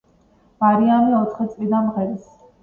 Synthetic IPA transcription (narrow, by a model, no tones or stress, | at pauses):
v̥aɾiamiɔt̪ʰχit̪sʼlid̪anmʁɛɾis